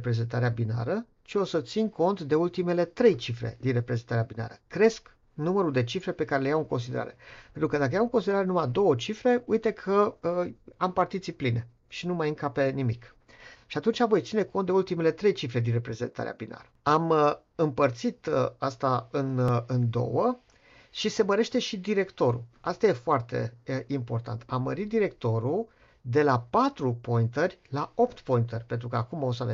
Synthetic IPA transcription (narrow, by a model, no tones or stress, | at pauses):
pɾe̞ze̞nt̪aɾeabina̰ɾə | ʃio̞sət̪sinko̞nt̪d̪e̞ult̪ime̞le̞t̪ɾe̞jt͡ʃifɾḛd̪inrepɾeze̞nt̪aɾeabina̰ɾəkɾe̞sk | numəɾuld̪e̞t͡ʃifɾe̞pe̞kaɾe̞le̞jawɨŋko̞ns̬id̪e̞ɾa̰ɾe̞̰pent̪ɾukəd̪akəjawɨŋko̞nsid̪eɾaɾe̞numajd̪o̞wət͡ʃifɾe̞ujt̪e̞kʰə | ampart̪it̪sipline | ʃinumajɨŋkape̞nimik | ʃiat̪unt͡ʃavo̞jt̪sine̞ko̞nt̪d̪eult̪ime̞le̞t̪ɾe̞jt͡ʃifle̞d̪inre̞pɾe̞ze̞̰nt̪a̰ɾḛa̰bina̰ɾəamə | ɨmpərt̪sit̪əast̪aɨnɨnd̪o̞̰wə | ʃise̞məɾe̞ʃt̪e̞ʃid̪iɾe̞kt̪o̞ɾṵast̪aje̞foart̪e̞̰impo̞rt̪a̰nt̪ʰamːəɾit̪̚d̪iɾe̞kt̪o̞ɾu | d̪e̞lapat̪ɾupo̞int̪ərʲlao̞pt̪po̞jint̪ərʲpe̞nt̪ɾukəakumaosave